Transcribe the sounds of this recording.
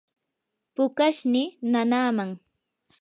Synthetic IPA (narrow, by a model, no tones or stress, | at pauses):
pʊkaʃnɪnanaːmaŋ